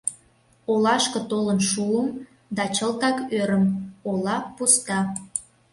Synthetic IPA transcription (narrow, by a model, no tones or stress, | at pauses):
olɑʃkə̆t̪olənʃuəm | d̪ɑt͡ɕəlt̪ɑkøɾəmolɑpust̪ɑ